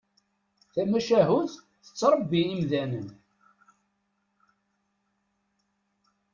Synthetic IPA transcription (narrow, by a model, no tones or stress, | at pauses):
θæmæʃæɦʊð | θət͡sːɾˤəbːiimðænən